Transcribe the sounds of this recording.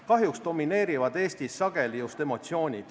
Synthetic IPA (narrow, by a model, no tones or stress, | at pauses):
kɑɦjuksd̪̥o̞mine̞ːɾivɑd̪e̞ːst̪isːɑɡ̥e̞lijust̪e̞mo̞t̪sio̞ːnʲid̪̥